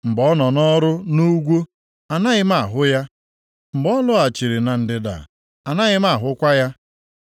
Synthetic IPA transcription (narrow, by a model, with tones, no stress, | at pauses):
m̩˨bɔ˦nɔ˨nɔ˦ɾʊ˦nu˦ɡʷo˦ | a˨na˦ɣɪ˦m˦a˨ɦʊ˦ja˦ | m̩˨bɔ˦lʊ˦a˨t͡ʃi˨ɾi˨na˨n̩˨dɪ˦da̰˨ | a˨na˦ɣɪ˦m˦a˦˨ɦʊ˦kʷa˦ja˦